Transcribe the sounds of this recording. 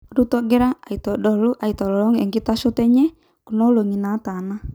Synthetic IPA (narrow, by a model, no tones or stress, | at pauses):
rut̪ɔɡɛɾaait̪ɔdɔluʔait̪ɔlɔlɔŋjaŋkit̪asut̪ɛɲɛ | kunɔloŋinat̪ana